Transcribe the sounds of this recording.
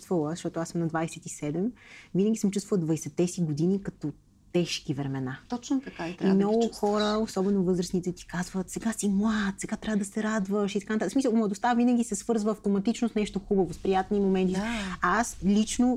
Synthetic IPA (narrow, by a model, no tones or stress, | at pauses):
t̪vəlˠəzəʃt̪ɔt̪oasəmnɐd̪vajsɛt̪isɛd̪ɛmvinəɡʲisəmt͡ʃust̪vəlˠəd̪vɐisɛt̪ɛsiɡod̪inikɐt̪ɔ | t̪ɛʃkivɾɛmɛnat̪ɔt͡ʃnot̪ɐkaɛt̪imnɔɡʊxɔɾəosɔbɛnovɤzɾəsnit̪ɛt̪i̥kazvət̪sɛɡasimlˠat̪sɛɡat̪ɾavəd̪ɐsɛɾad̪vəʃit̪ɐkant̪atəksmisəlˠmlˠəd̪ʊst̪avinəɡʲisɛsvɤɾzvəːft̪omɐt̪it͡ʃnosnɛʃt̪oxubəvospɾijat̪nimomɛnt̪iaaslit͡ʃno